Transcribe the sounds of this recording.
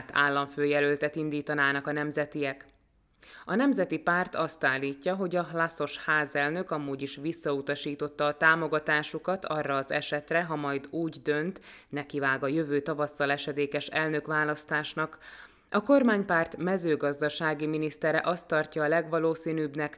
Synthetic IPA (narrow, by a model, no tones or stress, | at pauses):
t̪ʰa̰ːlːɒɱføːjɛlølt̪ɛt̪ind̪iːt̪ɒnaːnɒkɒnɛmzɛt̪ijɛk | ɒnɛmzɛt̪ipaːrt̪ɒst̪aːlːiːcːɒɦo̞ɟɒɦlaso̞ʃhaːzɛlnø̞kɒmuːɟiʃʋisːɒut̪ɒʃiːt̪o̞t̪ːɒːt̪aːmo̞ɡɒt̪aːʃukɒt̪ʰɒrːɒːzɛ̰ʃɛt̪rɛɦɒmɒjd̪uːɟd̪ø̞nt̪ | nɛkivaːɡɒjøvøːt̪ɒvɒsːɒlɛʃɛd̪eːkɛʃɛlnø̞kʋaːlɒst̪aːʃnɒk | ʔɒko̞rmaːɲpaːrt̪mɛzøːɡɒzd̪ɒʃaːɡiminist̪ɛɾɛʔɒst̪ːɒrcɒːlɛɡʋɒloːsiːnyːbnɛk